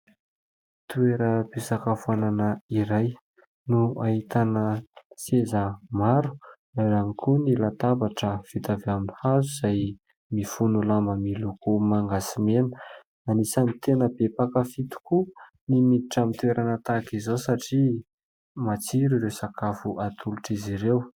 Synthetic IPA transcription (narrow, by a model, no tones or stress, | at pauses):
t̪ueɾəbesakafuananəiɾaj | nuahit̪anəsezəmaɾu̥ | aɾanikʰunilat̪abaʈ͡ʂəv̥it̪aveaminihazuz̥aj | mifunulambəmilukumaŋɡasimenə̥ | anisanit̪enəbepakəfit̪u̥ku | nimiiʈ͡ʂamit̪weɾʔanət̪akizosaʈ͡ʂi | mat͡siɾiɾewsakafuʔat̪ʰuluʈ͡ʂiziɾew